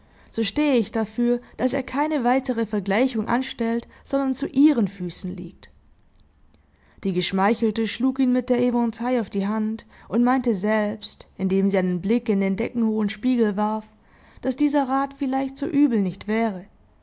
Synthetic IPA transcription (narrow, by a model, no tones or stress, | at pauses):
z̥oːʃteːəɪçd̥afyːɐd̥asḛːɐkʰaɪnəvaɪtəʁ̞əfɛɐɡlaɪçʊŋʔa̰nʃtɛltz̥ɔndɐnt͡suʔiːʁ̞ənfyːsn̩lḭːk̚t | d̥iːɡəʃmaɪçl̩təʃluːkiːnmɪt̚d̥eːɐʔemɔntʰaɪaʊfd̥iːɦantʔʊntmaɪntəzɛlpstʔɪndeːmziːaɪnənblɪkɪndeːndɛkŋ̩hoːənʃpiːɡl̩vaɐf | d̥asd̥iːzɐʁaːtfɪlaɪçtz̥o̰ːʔyːbl̩nɪçtv̥ɛːʁə